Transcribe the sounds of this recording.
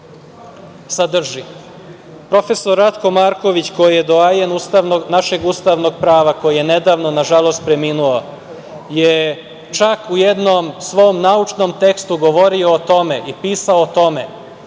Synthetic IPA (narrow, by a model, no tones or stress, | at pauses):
sad̪r̩ʒi | pɾo̞fe̞so̞ɾːat̪ko̞maːɾko̞ʋit͡ɕko̞jijed̪oajenust̪aʋnoɡnaʃeɡust̪aʋno̞ɡpɾaːʋako̞jijene̞d̪aːʋno̞naʒalˠo̞st̪̚pɾe̞minuo | je | t͡ʃakujed̪nomsʋo̞mnaut͡ʃnomt̪e̞kst̪uɡo̞ʋo̞ɾio̞ːt̪o̞me̞ʔipiːsaoːt̪o̞me